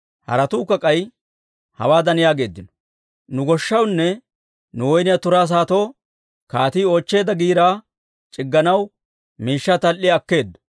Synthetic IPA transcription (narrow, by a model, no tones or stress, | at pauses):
hɐ̰ɾɐt̪uːkːɐkʼɐj | hɐ̰waːd̪ɐnɪjaːɡe̞ːd̪ːɪnɔ̥ | nʊɡɔʃːɐwnːɛ | nʊwɔjnɪjat̪ʊɾaːs̬aːt̪oː | kaːt̪iːoːt͡ʃːe̞ːd̪ɐɡiːɾaː | t͡ʃʼɪɡːɐnɐw | miːʃːɐt̪ɐlʔːɪɐkːe̞ːd̪ːʊ̥